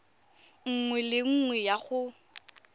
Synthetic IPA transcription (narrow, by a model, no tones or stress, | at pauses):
ŋ̩ŋwɛlɪŋ̩ŋwɛjaɣʊ